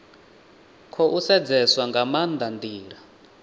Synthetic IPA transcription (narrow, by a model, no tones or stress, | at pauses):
kʰɔʔusɛd͡zɛswaŋɡamand̪and̪iːɾa